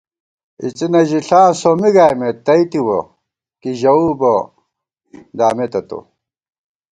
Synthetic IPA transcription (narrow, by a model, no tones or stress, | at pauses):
ḭt͡sinɐʑiɬãːsomiɡaːjmet̪ːɐit̪iwɐ̰ | kiʑɐuːbɐ | d̪aːmet̪ɐt̪o̰